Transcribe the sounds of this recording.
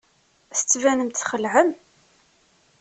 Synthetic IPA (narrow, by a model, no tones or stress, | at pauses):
st͡sːvænəmt̪θχəlʕəm